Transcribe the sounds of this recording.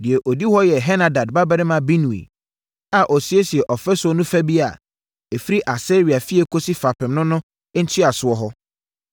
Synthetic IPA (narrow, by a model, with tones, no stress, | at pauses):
dɪ˨ɛ˨ʔo˨di˦hɔ˦jɛ˨ɦɛ˦nã˨da˨dba˦bɛ˦ɾɪ˦mã˨˦bi˦nũ˨ḭ˨ | a˨ʔɔ˨si˦e˦si˨ɛ˨ʔɔ˨fɛ˦sʊ˨˦ɔ˦nũ˦fæ˦bi˦a̰˨ | e˨fi˦ɾi˦ʔa˨sɛ˦ɾi˨a˨fi˦ɛ˦kʰo˦si˦fa˨pʰɪ̃˨mnʊ̃˦nʊ̃˦ | n̩˦tʰi˦a˨sʊ˦ɔ˦ɦɔ˦